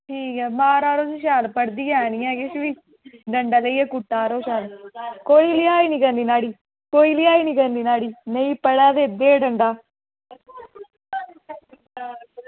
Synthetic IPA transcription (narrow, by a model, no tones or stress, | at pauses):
iːɡɐbaːɾaːɾoːsuʃ̬aːlɐpɐɽd̪ijaːnijaːɡeʃʋi | ɖɐɳɖɐlɐjɐkuʈːaːɾoːʃaːlɐkojilijaːjiniɡɐnd̪inaːɽi | kojilijaːjiniɡɐnd̪inaːɽinejpːɐɽaːd̪ed̪ːeːɖɐɳɖaː